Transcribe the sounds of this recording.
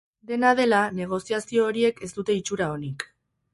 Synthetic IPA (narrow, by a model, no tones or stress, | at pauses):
d̪e̞nað̞e̞lane̞ɣ̞o̞siasio̞ːɾie̞ke̞st̪ut̪e̞it͡ʃuɾao̞nik